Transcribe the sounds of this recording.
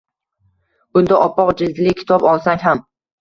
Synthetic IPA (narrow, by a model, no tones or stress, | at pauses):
ʊnd̪aʔɒpːɒqd͡ʒɪld̪lɪkʲʰɪ̥t̪ʰɒbɒlˠsaŋɦam